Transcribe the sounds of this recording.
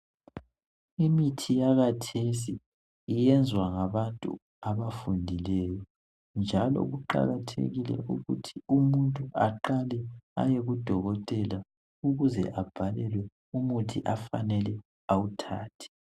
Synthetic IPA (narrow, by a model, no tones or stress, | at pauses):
imitʰijaɣatʰesiː | jɛnd͡zʱwaŋaβantʼṵ | aβafundʱilɛjɔ | nd͡ʒʱalɔ̰ɣuǃa̰ɣatʰḛɣilɛ̰ʔuɣṵtʰi̥umuntʼuaǃalɛa̰jeɣud̥ʱɔɣɔtʼɛla | uɣuzɛ̰ʔab̥ʱalɛlwɛ | umutʰiʔafa̰nɛlɛ | awutʰaːtʰi̥